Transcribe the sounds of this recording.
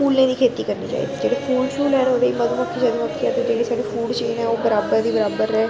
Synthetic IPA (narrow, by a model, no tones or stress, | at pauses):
uːlnẽːd̪iːkʰeːt̪iːkəɾnḭːt͡ʃa̰ːḭːd̪iːd͡ʒeːɽeːpʰuːlpʰuːlɛːnɦoːd̪eiməd̪õməkʰːesɛːd̪ẽʋət̪ʰːaːt̪ed͡ʒeːɽiːsaːɖiːpʰuːɖt͡ʃiːnɛ̃ːoːbəɾaːbəɾd̪iːbəɾaːbəɾɛː